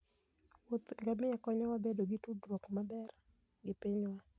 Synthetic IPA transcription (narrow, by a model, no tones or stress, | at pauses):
wot̪ŋɡamɪakɔɲɔwabedoɡɪtudwɔkmabɛr | ɡɪpiɲwa